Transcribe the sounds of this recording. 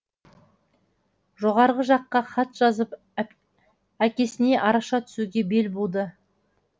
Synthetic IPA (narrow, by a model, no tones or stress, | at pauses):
ʒo̞ʁɑɾʁəʒɑqːɑχɑt̪ʒ̥ɑzəp | ækʲe̞sɪne̞ʔɑɾɑʃɑt̪ʰʏ̥suɡʲe̞be̞lbo̞lˠd̪ə